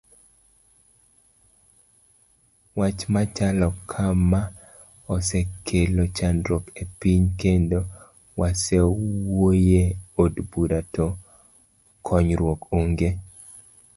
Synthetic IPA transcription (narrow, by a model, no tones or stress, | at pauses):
wat͡ʃmat͡ʃalɔkʰama | ɔsɛkʰelot͡ʃanɾopepiɲkendo | wasɛwojeodbuɾato | kʰɔɲɾwokoŋɡe